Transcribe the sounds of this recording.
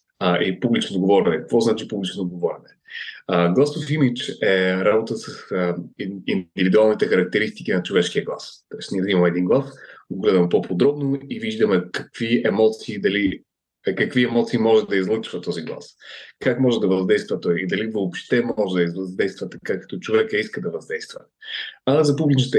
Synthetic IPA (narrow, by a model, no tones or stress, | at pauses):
əʔipublit͡ʃnod̪ɡovɔɾɛnɛkəkvɔznat͡ʃipublit͡ʃnod̪ɡovɔɾɛnɛ | əɡlˠast̪ofimit͡ʃɛɾabot̪əsɐsəind̪ivid̪ualˠnit̪ɛxɐɾɐk̚t̪ɛɾist̪i̥k̟inɐt͡ʃovɛʃkiəɡlˠast̪ɔjsniɛzimɐmɛːd̪inɡlˠasoɡlɛd̪ɐmɛpopʰod̪ɾɔbnoiviʒd̪ɐmɛkɐkviɛmɔt̪siːd̪ɐli | kɐkviɛmɔt̪siːmɔʒɛd̪ɐizlˠɤt͡ʃvət̪ɔziɡlˠa̰skakmɔʒɛd̪ɐvɐzd̪ɛjst̪vɐt̪ɔjid̪ɐlivəopʃt̪ɛmɔʒɛd̪ɐizəzd̪ɛjst̪vət̪ɐkakɐ̥t̪ɔt͡ʃovɛkəiskəd̪ɐvɐzd̪ɛjst̪və̰ | azɐpublit͡ʃət̪ɛ